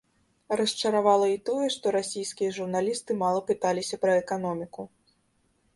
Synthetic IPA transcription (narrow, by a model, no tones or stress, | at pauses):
rɐst͡ʂɐɾavalˠɐit̪ɔjɛʂt̪ɔɾasʲijskʲijɐʐurnalʲist̪ɨmalˠɐpɨt̪alʲisʲɐpɾɐɛkanɔmʲiku